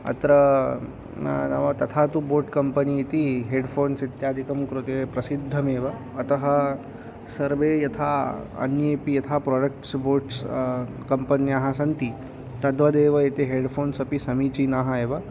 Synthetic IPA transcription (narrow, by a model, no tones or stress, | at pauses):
ɐ̰t̪ɾɐ | nɐʋɐt̪ɐt̪ʰaːt̪uboːɾʈkɐmpɐniːt̪iɦeːɖpʰoːnsit̪jaːd̪ʱikɐmkɾut̪eːpɾɐsid̪ʱːɐmeːʋɐː | t̪ɐɦɐ | sɐɾʋeːjɐt̪ʰaːɐ̰njeːpijɐt̪ʰaːpɾoːɖɐkʈsboːɾʈs | kɐmpɐnjaːɦɐsɐnt̪i | t̪ɐd̪ʋɐd̪eːʋɐet̪eɦeːɖpʰoːnsɐpisɐmiːt͡ʃinaːɦɐeːʋɐ